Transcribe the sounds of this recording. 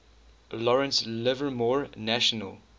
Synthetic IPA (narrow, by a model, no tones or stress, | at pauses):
lɔɹə̃nslɪvəmɔɹnæʃənə̰lˠ